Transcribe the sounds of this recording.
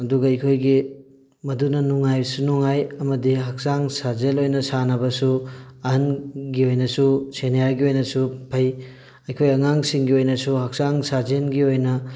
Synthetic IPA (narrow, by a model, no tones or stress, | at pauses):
ɐduɡɐɐjkʰojɡi | mɐdunɐnuŋajsunuŋajɐmɐdiɦɐk̚saŋsazelojnɐsanɐbɐsuɐɦɐnɡiojnɐsusenejaɡiojnɐsupʰɐj | ɐjkʰojɐŋaŋsiŋɡiojnɐsuhɐk̚saŋsazenɡiojnɐ